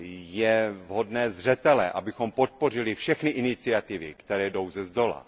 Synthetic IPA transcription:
jɛvɦo̞dnɛːzr̝ɛt̪ɛlɛʔabɪxo̞mpot̪̚po̞r̝ɪlɪfʃɛxnɪʔɪnɪt͡sɪat̪ɪvɪ̰kt̪ɛɾɛːdo̞wzɛzd̪o̞la̰

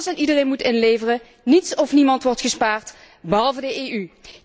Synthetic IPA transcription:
sɛnidərenmutɪnleːjvərə | nitsɔfnimɑntʋɔɹtχəspaːɹt | bəɦɑlˠvədəeːy

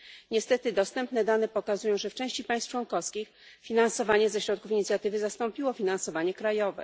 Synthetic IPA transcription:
ɲɛst̪ɛt̪ɘd̪ɔst̪ɛmpn̪ɛd̪anɛpɔkazujɔ̃w̃ʐɛft͡ʂɛ̃w̃ɕt͡ɕipaj̃st̪t͡ʂwɔnkɔfskʲix | fʲinansɔvaɲɛzɛɕɾɔt̪̚kufiɲit̪sʲjat̪ɘvɘzast̪ɔmpʲiwɔfʲinansɔvaɲɛkɾajɔvɛ̰

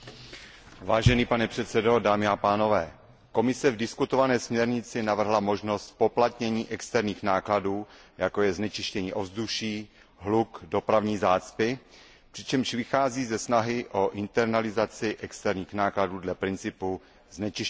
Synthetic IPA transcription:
vaːʒɛniːpanɛpr̥ɛt̪sɛdo̞daːmɪapaːno̞vɛː | ko̞mɪsɛvdɪskut̪ovanɛːsmɲɛɾɲɪt͡sɪnavr̩ɦlamo̞ʒno̞st̪po̞plat̪ɲɛɲiːʔɛkst̪ɛɾɲiːxnaːkladuːjako̞jɛznɛt͡ʃɪʃcɛɲiːʔo̞vzduʃiː | ɦlukdo̞pɾavɲiːzaːt͡spɪ | pr̥ɪt͡ʃɛmʃvɪxaːziːzɛsnaɦɪʔo̞ʔɪnt̪ɛɾnalɪzat͡sɪʔɛkst̪ɛɾɲiːxnaːkladuːdlɛpɾɪnt͡sɪpu | znɛt͡ʃɪʃ

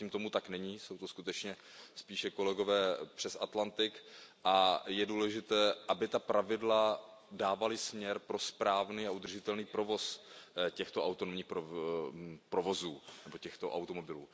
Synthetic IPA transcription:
iːmt̪o̞mut̪aknɛɲiːso̞wt̪o̞skut̪ɛt͡ʃɲɛ | spiːʃɛko̞lɛɡo̞vɛːpr̝̥ɛsat̪lant̪ɪkʔajɛduːlɛʒɪt̪ɛːʔabɪt̪apɾavɪdladaːvalɪsmɲɛɾpɾo̞spɾaːvniːaʔud̪r̩ʒɪt̪ɛlniːpɾo̞vo̞scɛxt̪oʔawt̪onomɲiːxpɾo | pɾo̞vo̞zuːnɛbo̞cɛxt̪o̞ʔa̰wt̪o̞mo̞bɪlṵː

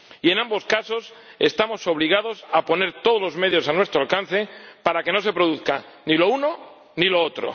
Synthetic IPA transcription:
ie̞nãmbo̞skaso̞se̞st̪amo̞so̞β̞liɣ̞að̞o̞sapo̞ne̞ɾt̪oð̞o̞lo̞zme̞ðjo̞sanwe̞st̪ɾoalkan̟θe̞paɾake̞no̞se̞pɾoðuθka | nilo̞uno̞ | nilo̞ot̪ɾo̰

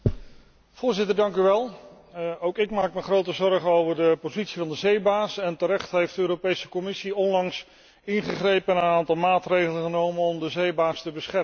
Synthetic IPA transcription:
v̥ʊːɹzɪtəɹdɑŋkyʋɛlˠ | owkɪkmaːkməχrowtəzɔɹχənowvəɹdəpozitsivɑndəzejbaːsɛntəɾɛχtɦejfdəøːɾopejsə̥kɔmɪsiɔnlɑŋs | ɪnχəχrejpənənaːntɑlˠmaːtrejχələχənowmənɔmdəzejbaːstəbəsχɛrə

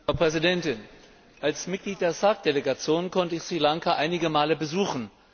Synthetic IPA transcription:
aʊpʁ̥ɛzidɛntɪn | ʔalsmɪt̚ɡ̥liːt̚d̥eːɐsak̚d̥eleɡat͡sjoːnkʰɔntəɪçsʁ̥ilaŋkaʔaɪnɪɡəmaːləbəzuːxn̩

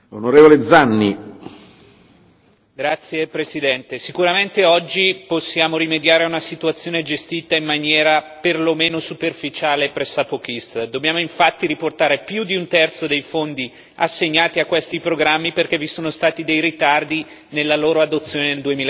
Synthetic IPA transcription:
onoɾeːvoled̪zanːḭ | ɡɾat̪sːjepɾesid̪ɛnt̪esikuɾament̪eɔd͡ʒːiposːjaːmoɾimed̪jaːɾeunasit̪uat̪sːjoːned͡ʒest̪iːt̪aimːanjɛːɾaperlomeːnosuperfit͡ʃaːlepɾesapok̟ist̪d̪objaːmoiɱfat̪ːiɾiport̪aːɾepjud̪iunt̪ɛrt̪sod̪ejfond̪i | asːeɲːaːt̪iakːwest̪ipɾoɡɾamːiperkevːisoːnost̪aːt̪id̪ejɾit̪ard̪i | nelːaloːɾoad̪ot̪sːjoːneneld̪uemil

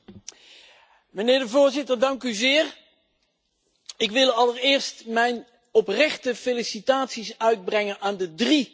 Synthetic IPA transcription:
mənɪːɹdəvʊːɹzɪtərdɑŋkyzɪːr | ɪkʋɪlˠɑlˠərɪːɹstmɛjn | ɔprɛχtəfelisitaːtsisœɥd̚brɛŋənaːndədri

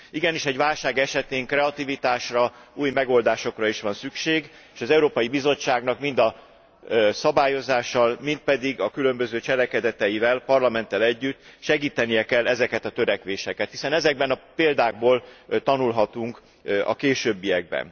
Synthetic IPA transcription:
iɡɛniʃɛɟʋaːlʃaːɡɛʃɛt̪eːŋkrɛɒt̪ivit̪aːʃrɒuːjmɛɡo̞ld̪aːʃo̞krɒiʃʋɒnsykʃeːɡ | eʃɒzɛuɾoːpɒjibizo̞t͡ʃːaːɡnɒkmind̪ɒ | sɒbaːjo̞zaːʃːɒlmint̪̚pɛd̪iɡɒkylø̞mbø̞zøːt͡ʃɛlɛkɛd̪ɛt̪ɛjivɛlpɒrlɒmɛnt̪ːɛlɛɟːyt̪ːʃɛɡiːt̪ɛnijɛkɛlːɛzɛkɛt̪ɒt̪øɾɛkʋeːʃɛkɛt̪hisɛnɛzɛɡ̚bɛnɒpeːld̪aːɡ̚boːlt̪ɒnulɦɒt̪uŋk | ɒ̰keːʃøːbːijɛɡ̚bɛ̰n

